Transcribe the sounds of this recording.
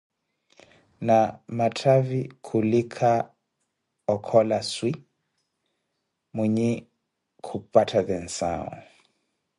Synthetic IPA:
namatʰavikʰulikʰa | ɔkʰɔlaswi | mwiɲi | kʰupatʰaðɛn̩sa̰ɔ̰

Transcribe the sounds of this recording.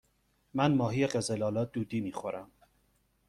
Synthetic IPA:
mænmɒːɦijeɢezelɒːlɒːd̪uːd̪iːmiːxoɾæm

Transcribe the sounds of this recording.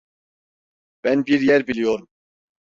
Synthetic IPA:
b̥ænbiɾjæɾbilʲijoɾum

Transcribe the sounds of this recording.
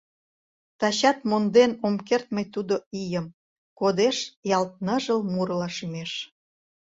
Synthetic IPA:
t̪ɑɕɑt̪mond̪enomkert̪̚məjt̪ud̪oijəm | kod̪eʃjɑlt̪̚nəʒəlmurlɑʃymeʃ

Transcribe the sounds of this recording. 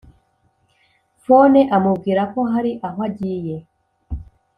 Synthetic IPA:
foneʔamubɡiːɾako̞ɦaɾiʔaɦwaɟiːje

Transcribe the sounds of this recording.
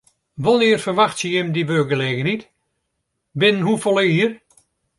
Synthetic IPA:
ʋɔnɪərfərʋaxtsəjɪmdiʋøːɡəleːɣənit | bɪnənhufolˠeiər

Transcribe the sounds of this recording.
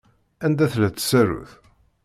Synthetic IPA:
ænd̪æθlæt͡s̪ːsæɾṵθ

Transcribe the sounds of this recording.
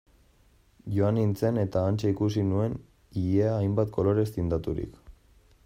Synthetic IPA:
ʝo̞anint͡se̞ne̞t̪aːnt͡seikusinue̞n | iʎeaːjmbat̪̚kʰo̞lo̞ɾe̞st̪ind̪at̪uɾḭk

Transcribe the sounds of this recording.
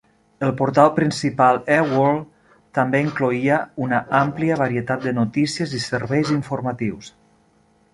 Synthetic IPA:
əlˠpuɾt̪alˠpɾinsipalˠɛwɔlˠ | t̪əmbeiŋkluiəunəʔampliəβəɾiət̪at̪̚d̪ənut̪isiəzisəɾβɛjziɱfurmat̪iws

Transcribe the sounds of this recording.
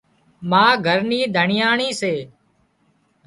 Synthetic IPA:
mãːɡʱəɾniːd̪ʱəɳɪjaːɳiːseː

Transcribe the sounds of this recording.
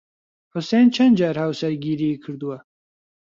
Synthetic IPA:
hʊsent͡ʃʰɐnd͡ʒaɾhawsɐɾɡiːɾikʰɨɾd̪uwa

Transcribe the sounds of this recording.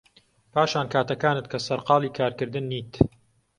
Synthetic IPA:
pʰaːʃaːnkʰaːt̪ɐkaːnɨt̪̚kʰɐsɐɾqɑːlˠiːkʰaːɾkɨɾd̪ɨnːiːt̪

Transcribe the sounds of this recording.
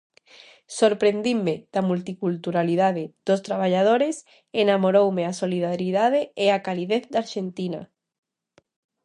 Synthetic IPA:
soɾpɾend̪imːeð̥amult̪ikult̪uɾalið̞að̞eð̥ost̪ɾaβ̞aʎað̞oɾes | enamoɾowmeasoliðaɾiðað̞eeakaliðeθd̪aɾʃent̪ina̰

